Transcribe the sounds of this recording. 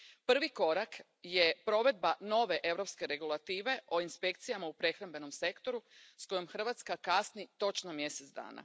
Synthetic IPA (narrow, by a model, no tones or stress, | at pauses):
pr̩ʋiko̞ɾak | je̞pɾo̞ʋe̞d̪̚bano̞ʋe̞ʔe̞wɾo̞pske̞ɾe̞ɡulˠat̪iːʋe̞ʔo̞inspe̞kt̪sijamaupɾe̞xɾambe̞no̞mse̞kt̪o̞ɾusko̞jo̞mxr̩ʋaːt̪skakasnit̪o̞t͡ʃno̞mje̞set̪zd̪a̰ːna̰